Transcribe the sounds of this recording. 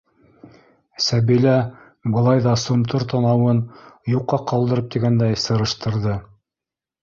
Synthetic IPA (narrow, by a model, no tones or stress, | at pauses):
sæβilæ | bɤ̆lˠɑjðɑsumt̪oɾt̪ʰɑnɑwɤnjuqːɑqɑlˠd̪ɤ̆ɾɤp̚t̪iɡænd̪æjsɤ̆ɾɤ̆ʃt̪ɤ̆ɾðɤ